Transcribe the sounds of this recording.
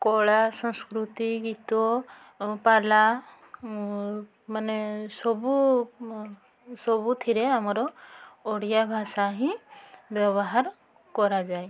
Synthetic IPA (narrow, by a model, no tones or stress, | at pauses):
kɔɭasɔ̃ŋskɾut̪iɡit̪ɔ | pala | manesɔbu | sɔbut̪ʰiɾeamɔɾɔː | ɽjabʱasaɦĩbjɔβɔɦaɾ | kɔɾad͡ʒaj